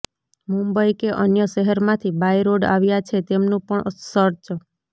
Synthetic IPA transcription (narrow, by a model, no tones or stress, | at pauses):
mũmbəikeʔənjəʃɛɦəɾmãt̪ʰibajɾoɖa̰ʋjat͡ʃʰet̪emnũpəɳsəɾt͡ʃə